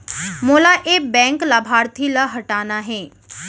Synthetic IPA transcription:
moːlaʔebɛ̃ːŋklaːbʱaːɾt̪ʰilaɦɐʈaːnaɦɛ̃ː

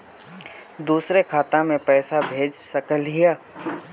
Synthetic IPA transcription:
d̪uːsɾekʰaːt̪ãmẽpɛːsabʱeːd͡ʒsəkəlɦijaː

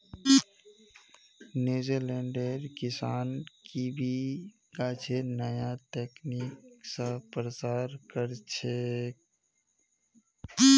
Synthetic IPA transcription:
nuːd͡ʒeɾleːɳɖeɾkɪsaːnkibʱi | kat͡ʃʰenəjat̪eːkniksə̃pɾət͡ʃaːɾkəɾt͡ʃʰe

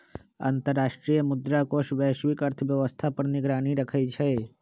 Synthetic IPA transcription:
ã̰nt̪əɾːaːʃʈɾijəmʊd̪ɾakoʃʋəːʃʋɪkəɾt̪ʰəʋjəʋəst̪ʰapəɾniɡɾaːniɾəkʰəjt͡ʃʰɛ

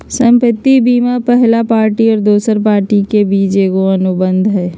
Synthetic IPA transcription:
sə̃mpət̪ːibiːmapɛɦlapaːɾʈiɔːɾd̪oːsəɾpaːɾʈikebiːt͡ʃeːɡoɐnʊbə̃nd̪ʱɦɛː

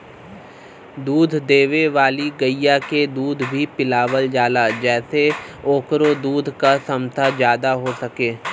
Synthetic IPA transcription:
d̪uːd̪ʱd̪eːʋeʋaːliɡəijaked̪uːd̪ʱbʱipɪlaːʋəld͡ʒaːlad͡ʒɛːseoːkɾod̪uːd̪ʱkasɐmt̪ʰazjaːd̪aɦosɐkeː

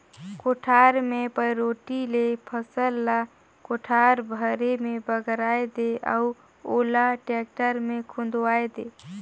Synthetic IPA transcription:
koʈʰaɾmepəjɾoʈilepʰəsəlːa | koʈʰaɾbʱəɾemebəɡɾajd̪eʔa̰u | olaʈek̚ʈəɾmekʰũnd̪wajd̪e

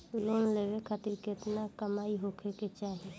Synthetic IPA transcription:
loːnleːʋekʰat̪ɪɾket̪nakəmaːiɦoːkʰeket͡ʃaːɦe

